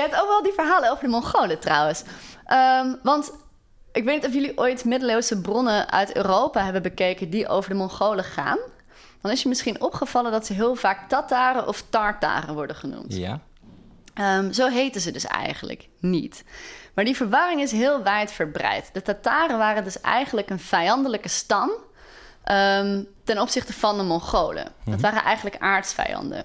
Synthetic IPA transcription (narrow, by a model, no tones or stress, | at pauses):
jəɦɛp̚towkʋɛlˠdivəɹɦaːlənowvəɹdəmɔnχowlətrɑwənsʔəmʋɑnt | ʔɪkʋejtnitɔfjɵliʔojtmɪdəlowzəbrɔnənœ̰ɥtø̰ːrowpaɦɛbənbəkejkəndiʔo̰wvəɹdəmɔnχowləχa̰ːn | d̥ɑnɪsjəmɪsχinɔpχəv̥ɑləndɑtsəɦɪːlˠvaːk̚tataːrəʔɔftɑɹta̰ːrənʋɔɹdəχənṵmt | mzowɦejtəzədɵsɛ̰jχənlə̰k | nḭtmaːɹdivəɹʋɑrɪŋɪsɦɪːlˠʋɛjtfəɹbrɛ̰jtd̥ətataːrənʋaːrəndɵsɛ̰jχənləkənv̥ɛjɑndələkəstɑm | ʔəmtɛnɔpsɪχtəvɑndəmɔnχowlə̰̥ɑtʋaːrənʔɛjχən̩ləka̰ːɹtsfɛ̰jɑ̰ndə̰n